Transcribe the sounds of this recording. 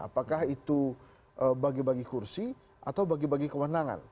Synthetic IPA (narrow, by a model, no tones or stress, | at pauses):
a̰pakahit̪u | ʔəbaɡibaɡikursi | ʔa̰t̪awbaɡibaɡikəwənaŋa̰n